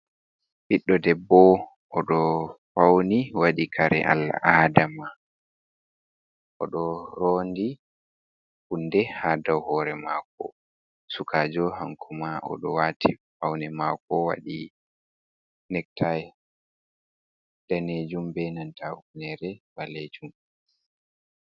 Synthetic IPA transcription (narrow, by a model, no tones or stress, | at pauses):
fiɗːɔdɛbːɔ | ʔɔɗɔfawniwaɗikʰaɾɛ̰ʔa̰lːa̰ʔaːdama | ʔɔ̰ɗɔɾɔndi | hundɛhadawhɔɾɛma̰kɔ̰ | sukʰaːd͡ʒɔhaŋkʰumaʔɔ̰ɗɔwaːtʰifawnɛmakɔwa̰ɗi | nɛk̚tʰaj | d̥aned͡ʒumbɛnantauknɛɾɛbaled͡ʒum